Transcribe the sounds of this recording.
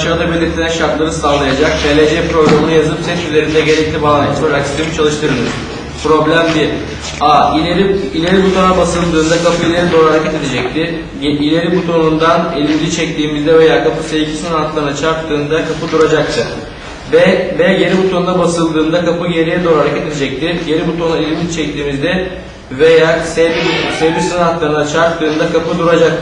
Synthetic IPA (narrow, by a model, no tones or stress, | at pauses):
ʃaːd̪abilʲiɾt̪ʰilɛnʃaɾt̪lˠaɾɯst̪ʰanllˠajad͡ʒak̚t̪ʰelʲed͡ʒɛpɾo̞ɡɾamɯnujazˠpsɛt͡ʃ̪yze̞ɾind̪ɛɟe̞ɾɛc̚lʲibanat̪laɾaksi̥t̪imit͡ʃʰalˠɯʃt̪ʰɯɾɯnd̪ɯ | pɾo̞blʲæmb̪i | aːiilʲe̞ɾibut̪ʰo̞nabasɯlˠd̪ɯːnd̪akʰapɯilʲeɾɛd̪o̞ːɾaɾacʰɛt̪e̞d̪e̞d͡ʒɛc̚t̪ʰɪ | ilʲe̞ɾibut̪ʰo̞nund̪anelʲimd̪ʲit͡ʃʰɛc̚t̪ʰiːmizd̪ɛve̞jaːkʰapʰɯsevcʰi̥sɯnat̪lˠaɾɯnat͡ʃʰaɾtt̪ʰːɯːnd̪akʰapɯd̪uɾad͡ʒak̚t̪ʰɯ | bɛbɛjeɾibut̪ʰo̞nd̪abasɯlˠd̪ɯːnd̪akʰapɯje̞ɾijɛd̪oːaɾacɛt̪e̞d̪ed͡ʒɛc̚t̪ʰɪɟe̞ɾibut̪ʰo̞nuelʲimʲit͡ʃʰɛc̚t̪ʰiːmizd̪ɛ | ve̞jaːsebibusevbisɯnat̪lˠaɾɯnat͡ʃʰaɾt̪̚ːɯːnd̪akʰapɯd̪uɾad͡ʒak̚t̪